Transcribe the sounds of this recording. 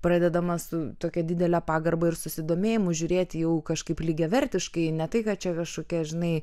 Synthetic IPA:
pɾɑːd̪ʲɛd̪ɐmɐsʊt̪oːkʲɛd̪ʲɪd̪ʲɛlʲæːpɑːɡɐrbɐɪrsʊsʲɪd̪oːmʲeːjɪmʊʒʲʊːɾʲeːt̪ʲjɛʊkɐʃkɐɪplʲɪɡʲɛʋʲɛɾʲt̪ʲɪʃkɐɪnʲɛt̪ɐɪkɐtt͡ʃʲɛkɐʃkoːkʲɛʒʲɪnɐɪ

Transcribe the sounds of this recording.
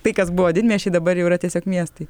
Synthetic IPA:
t̪ɐɪkɐsbʊʋoːd̪ʲɪnʲmʲiɛʃʲɪd̪ɐbɐɾjɛʊɪɾɐt̪ʲiɛsʲoːkmʲiɛst̪ɐɪ

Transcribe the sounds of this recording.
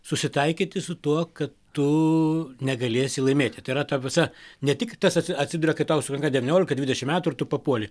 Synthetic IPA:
sʊsʲɪt̪ɐɪkʲɪt̪ʲɪsʊt̪uɔkɐtt̪ʊ | nʲɛɡɐlʲeːsʲɪlˠɐɪmʲeːt̪ʲɪt̪ɐɪɾɐt̪ɐʋʲɪsɐnʲɛt̪ʲɪkt̪ɐsɐtʲsʲɪɐt̪ʲsʲɪd̪ʊɾʲɛkɐɪpt̪ɐʊsʊkɾɐŋkɐd̪ʲɛʋʲɪnʲoːlʲɪkɐdʲʋʲɪd̪ʲɛʃʲɪmʲæːt̪ʊɪɾrt̪ʊpɐpuɔlʲɪ

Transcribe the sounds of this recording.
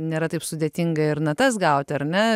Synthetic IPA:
nʲeːɾɐt̪ɐɪpsʊd̪ʲeːt̪ʲiŋɡɐɪɾnɐt̪ɐsɡɐʊt̪ʲɐɾnʲɛ

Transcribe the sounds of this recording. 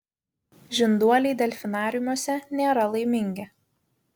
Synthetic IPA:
ʒʲɪnd̪uɔlʲɛɪd̪ʲɛlʲfʲɪnɑːɾʲɪmuɔsʲɛnʲeːɾɐlˠɐɪmʲɪŋʲɡʲɪ

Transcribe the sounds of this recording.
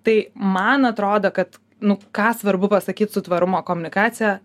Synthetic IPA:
t̪ɐɪmɐnɐt̪ɾoːd̪oːkɐt̪ | nʊkɑːsʋɐɾbʊpɐsɐkʲiːt̪sʊt̪ʋɐɾʊmoːkoːmʊnʲɪkɑːt̪sʲɪjɛ

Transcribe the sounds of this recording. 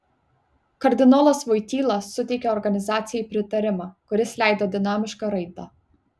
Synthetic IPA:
kɐɾʲd̪ʲɪnɔːlˠɐsʋɔɪt̪ʲiːlˠɐsːʊt̪ʲɛɪkʲɛɔɾɡɐnʲɪzɑːt̪sʲɪjɛɪpʲɾʲɪt̪ɐɾʲɪmɑːkʊɾʲɪslʲæɪd̪oːd̪ʲɪnɑːmʲɪʃkɑɾɐɪt̪ɑ

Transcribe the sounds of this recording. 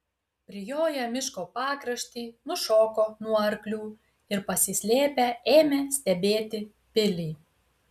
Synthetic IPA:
pʲɾʲɪjoːjɛmʲɪʃkoːpɑːkɾɐʃʲt̪ʲiːnʊʃoːkoːnuɔɐɾklʲuː | ɪɾpɐsʲɪsʲlʲeːpʲɛeːmʲeːsʲt̪ʲɛbʲeːt̪ʲɪ | pʲɪlʲɪː

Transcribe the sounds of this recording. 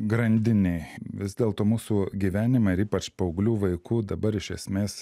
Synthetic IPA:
ɡɾɐnʲd̪ʲɪnʲɛɪʋʲɪzd̪ʲeːlˠt̪oːmuːsuːɡʲiʋʲæːnʲɪmɐɪɾiːpɐt͡ʃpɐoʊɡlʲuːʋɐɪkuːd̪ɐbɐɾɪʃʲɛsʲmʲeːs

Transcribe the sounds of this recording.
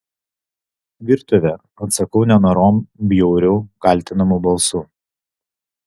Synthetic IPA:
ʋʲɪɾt̪ʊʋʲɛ | ɐt̪sɐkɐʊnʲɛnoːɾoːmbʲjɛʊɾʲʊːkɐlʲt̪ʲɪnɐmuˑbɐlˠsuː

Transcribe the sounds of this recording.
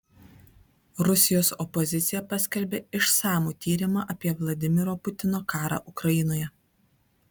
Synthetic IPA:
ɾʊsʲɪjoːsɔpɔzʲɪt̪sʲɪjɛpɐsʲkʲɛlʲbʲeːɪʃsɑːmuːt̪ʲiːɾʲɪmɑːʔɐpʲiɛʋlˠɐd̪ʲɪmʲɪɾoːpʊt̪ʲɪnoːkɑːɾɑ̰ːʔʊkɾɐjɪnoːjɛ

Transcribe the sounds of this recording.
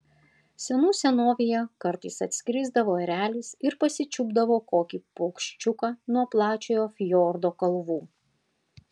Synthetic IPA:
sʲɛnuːsʲɛnoːʋʲejɛkɐɾt̪ɐɪsɐt̪ʲsʲkʲɾʲɪzd̪ɐʋoːɛɾʲæːlʲɪsɪɾpɐsʲɪt͡ʃʲʊbd̪ɐʋoːkoːkʲipokʃʲt͡ʃʲʊkɑːnuɔplˠɑːt͡ʃʲoːjoːfʲjoːɾd̪oːkɐlˠʋuː

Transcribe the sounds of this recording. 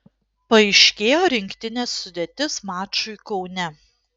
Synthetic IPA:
pɐɛɪʃʲkʲeːjoːɾʲɪŋʲkʲt̪ʲɪnʲeːsːʊd̪ʲeːt̪ʲɪsmɑːt͡ʃʊɪkɒʊnʲɛ

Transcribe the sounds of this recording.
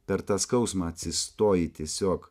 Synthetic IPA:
pʲɛɾt̪ɑskɐʊsmɑɐt̪ʲsʲɪst̪oːjɪt̪ʲiɛsʲoːk

